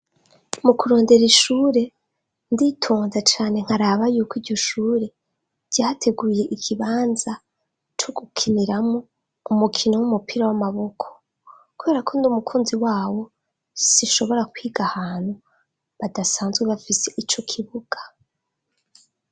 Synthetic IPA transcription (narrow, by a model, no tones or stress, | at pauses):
mukuɾo̞ːnde̞ɾiʃuːɾe̞ | nditʰuːnzat͡ʃaːne̞ŋ̥haɾaβajuːkiːɾɟo̞ʃuːɾe̞̥ | ɟ̥aːtʰe̞ɡuje̞ʔikʰiβaːnza | t͡ʃoɡ̥ukʰiniɾamŋo | umukʰino̞wumupiɾawamaβo̞kʰo̥ | kuβe̞ːɾakʰo̞ndumukʰuːnziwaːwo̞ | siʃo̞βo̞ɾakwiːɡahaːn̥hu | βadasaːnzɡweβafise̞ʔit͡ʃo̞kʰiβuɡ̥ḁ